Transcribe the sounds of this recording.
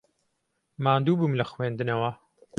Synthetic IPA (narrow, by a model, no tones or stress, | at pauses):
maːnd̪uːbumlɐxweːnd̪ɨnɐwɐ